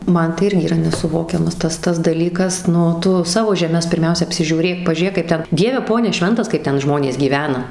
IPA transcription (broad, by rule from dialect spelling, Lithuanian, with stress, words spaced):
ˈmɐn tɐɪ ˈɪrʲɡʲɪ iːˈrɐ nʲɛsʊˈʋoːkʲɛmɐs ˈtɐs ˈtɐs dɐˈlʲiːkɐs ˈnʊ ˈtʊ ˈsɑːʋoː ʒʲɛˈmʲɛs pʲɪrʲˈmʲɛʊsʲɛ ɐpʲsʲɪʒʲuːˈrʲeːk pɐʒʲuːˈrʲeːk kɐɪp ˈtʲɛn ˈdʲiɛʋʲɛ ˈpoːnʲɛ ˈʃʲʋʲɛntɐs kɐɪp ˈtʲɛn ˈʒmoːnʲeːs ɡʲiːˈʋʲæːnɐ